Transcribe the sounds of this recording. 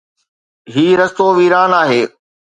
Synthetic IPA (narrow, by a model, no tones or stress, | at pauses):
ɦiːɾɐst̪oːʋiːɾaːnaːɦeː